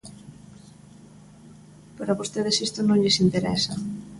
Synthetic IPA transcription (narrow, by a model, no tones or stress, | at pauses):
paɾaβost̪eðesist̪ʊnõŋʎesint̪eɾɛ̰sɐ